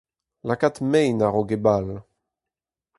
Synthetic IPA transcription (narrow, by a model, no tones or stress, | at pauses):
lakat̪mɛjnaʁoɡebal